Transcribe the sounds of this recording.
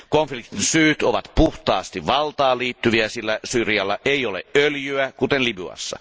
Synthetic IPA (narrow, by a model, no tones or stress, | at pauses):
konflikt̪insyːt̪oʋɑt̪puht̪ɑːst̪iʋʋɑlt̪ɑːliːt̪ːyʋiæsilːæsyːrjɑlːɑʔeˑiolḛʔʔøljyækut̪enliby̰ɑ̰sːɑ̰